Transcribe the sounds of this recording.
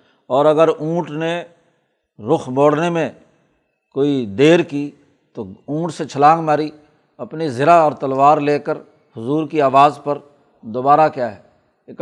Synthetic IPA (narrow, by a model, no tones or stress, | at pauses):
ɔːɾɐɡəɾũːʈne | ɾʊxʰboːɽnemẽ | koːid̪eːɾkiː | t̪oũːʈset͡ʃʰəlãːŋɡmaːɾi | ɐpnizɪɾaɔːɾt̪əlʋaːɾleːkəɾ | hʊzuːɾkiaːʋaːzpəɾ | d̪oːbaːɾakjaːɦɛː | k